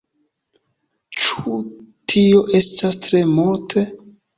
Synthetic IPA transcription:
t͡ʃu̥tʰio̞ʔe̞stastɾe̞multʰe

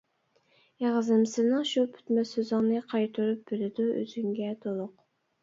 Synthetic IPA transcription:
jeʁəzɨmsɨnɨŋʃupʰy̥t̪mɛsøzɪŋnɨqʰɑjt̪ʰuɾup̚b̥elɪd̪uø̰z̥yŋɡʲɛt̪ʰolˠʊq

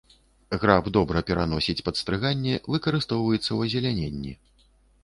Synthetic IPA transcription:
ɣɾabd̪ɔbɾɐpʲɛɾan̪ɔsʲit͡sʲpɐt̪st̪ɾɨɣanʲːɛvɨkɐɾɨst̪ɔwvɐjɛt̪sːɐwɐzʲɛlʲanʲenʲːḭ

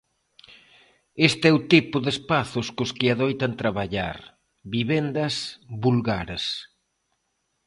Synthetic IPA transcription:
est̪ɪɛwt̪ipʊðespaθʊskʊskɪaðojt̪ɐnt̪ɾaβaʎa̰ɾ | βiβend̪ɐsβulɣaɾes

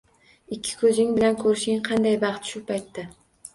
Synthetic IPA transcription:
ɪkʲʰːɪ̥kʰɵzɪŋbɪlankʰɵɾɪʃɪŋqʰɑnd̪ajbɑχt̪ʃʊpʰajt̪ːa

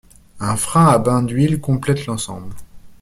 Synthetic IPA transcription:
ɛ̃fχɛ̃abɛ̃d̪ɥilkɔ̃plɛt̪lɑ̃sɑ̰̃bl

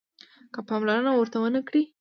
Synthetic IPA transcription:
kəpɑmlaɾənawəɾt̪awənəkɽi

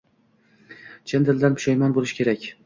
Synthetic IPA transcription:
t͡ʃʰend̪ɪld̪anpʰʊ̥ʃajmanbolˠɪʃkʲʰe̞ɾakʲ

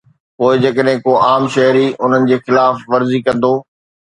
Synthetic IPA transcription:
poːɪd͡ʑɐkəɗɦɪ̃koʔaːmʃɐɦɾiʔʊn̤ənɪ̆d͡ʑeːxɪlaːfʋɐɾzikɐ̃nd̪oː

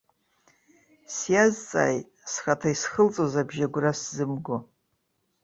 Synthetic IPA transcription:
sjazt͡sʼa̰ːjt | sχatʰaisχəlt͡sʼozabʒaɡʷraszɨmɡo

